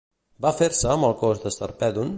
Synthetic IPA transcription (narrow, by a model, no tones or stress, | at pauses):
bafeɾsəːmbəlˠkozd̪əst̪ə̰ɾpɛðun